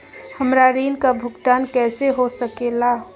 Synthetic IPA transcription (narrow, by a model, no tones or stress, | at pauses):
həmɾaɾiːnkabʱʊɡt̪aːnkɛːseɦosəkela